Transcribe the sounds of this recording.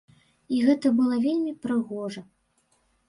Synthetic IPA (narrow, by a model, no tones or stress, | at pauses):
iɣɛt̪ɐbɨlˠɐvʲelʲmʲipɾɨɣɔʐɐ